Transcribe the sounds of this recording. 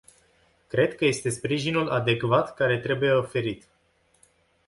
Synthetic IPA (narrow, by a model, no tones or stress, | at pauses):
kɾe̞d̪kəje̞st̪e̞spɾiʒinulʔad̪e̞kvat̪kaɾe̞t̪ɾe̞buje̞ofe̞ɾit̪